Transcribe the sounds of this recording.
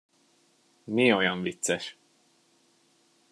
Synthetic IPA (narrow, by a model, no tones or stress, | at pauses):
miojɒɱvit̪sɛʃ